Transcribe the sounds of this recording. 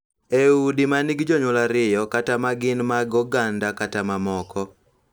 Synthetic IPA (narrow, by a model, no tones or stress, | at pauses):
eudimaniɡd͡ʒɔɲɔlaɾɪjɔkatamaɡɪnmaɡɔɡandakatamamɔkɔ